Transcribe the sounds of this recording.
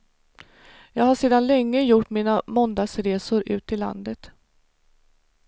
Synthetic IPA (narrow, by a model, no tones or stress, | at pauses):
jɑːɡhaʂeːd̪anlɛŋːəjʊʈːmiːnamɔnd̪aɡsɾeːsʊɾʉ̟ːt̪ʰɪlːa̰nd̪ət̪